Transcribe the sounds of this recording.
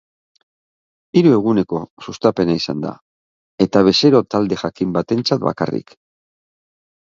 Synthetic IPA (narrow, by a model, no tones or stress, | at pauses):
iɾue̞ɣune̞ko̞sust̪ape̞naisand̪a̰ | e̞t̪aβe̞seɾo̞t̪ald̪e̞xakimbat̪e̞nt͡sat̪̚ba̰ka̰rḭk